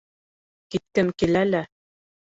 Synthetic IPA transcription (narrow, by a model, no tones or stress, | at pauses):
kit̪̚kɘmkilælæ